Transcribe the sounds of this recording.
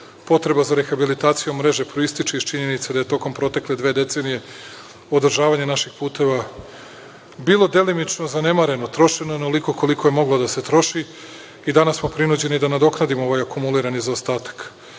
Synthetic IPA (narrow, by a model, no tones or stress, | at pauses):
po̞t̪ɾe̞bazaɾe̞xabilit̪aːt̪sijomɾe̞ʒe̞pɾoist̪it͡ʃiiʃt͡ʃiɲe̞nit̪sed̪aje̞t̪o̞ko̞mpɾo̞t̪e̞kle̞d̪ʋe̞ːd̪e̞t̪se̞ːnije̞ | od̪r̩ʒaːʋaɲenaʃixpuːt̪e̞ʋa | bilˠo̞d̪e̞linit͡ʃnozane̞maɾe̞no̞t̪ɾo̞ʃenojenoliko̞ko̞liko̞je̞mo̞ɡlˠod̪ase̞t̪ɾo̞ʃi | id̪anasmo̞pɾinud͡ʑe̞nid̪anad̪o̞knad̪imoo̞ʋajakumuliɾanizaost̪aːt̪ḁk